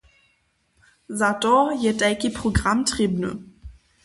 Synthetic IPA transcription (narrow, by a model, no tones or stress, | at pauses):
zatɔjɛtɛlkepʁ̥oɡʁamtʁ̥ibnə̰